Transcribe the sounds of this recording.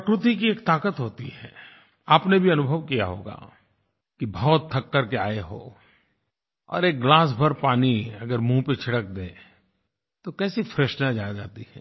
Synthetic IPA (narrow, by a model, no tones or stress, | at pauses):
əkɾʊt̪ikieːkt̪aːkət̪ɦoːt̪iɦɛ̰ː | aːpnebʱiɐnʊbʱəʋkija̰ɦo̰ːɡa̰ː | kibɔːt̪ʰːɐkːəɾkea̰ːeɦo̰ː | ɔ̰ːɾeːk̚ɡlaːs̬bʱɐɾpaːniɐɡəɾmũːpet͡ʃʰɪɽək̚d̪ẽː | t̪okɛːsifɾeʃnad͡ʒaːd͡ʒaːt̪iɦɛ̰ː